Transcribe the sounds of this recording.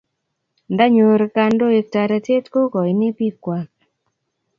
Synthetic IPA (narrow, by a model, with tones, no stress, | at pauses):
nda˦ɲo˨ɾka˨˧ndo˦e˨k̚ta˨ɾa˨te˦tko˦kɔ˨i˨ne˦pi˦kːwa˨k